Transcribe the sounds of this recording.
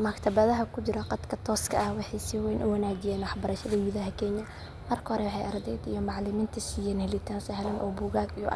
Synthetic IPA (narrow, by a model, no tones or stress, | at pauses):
mɐkt̪ʰɐβɐðɐɦɐkʰʊt͡ʃɪɾɐqɑd̪kʰɐt̪ʰɔːskʰɐʔɐhwɑħɑjsɪwɛːnʔʊwɑnaːt͡ʃɪjɛːnwɑħbɐɾɐʃɐðɐɡʊðɐɦɐkʰɛɲɐ | mɐrkʰɐhɔɾɛwɑħɑjʔɐrd̪ɛjd̪ḭjɔmɑʕlɪmiːnt̪ʰɐsiːjɛnhɛlɪt̪ʰaːnsɐɦɛlɐnʔɔ̰ːbuːɣaːɡijɔ̰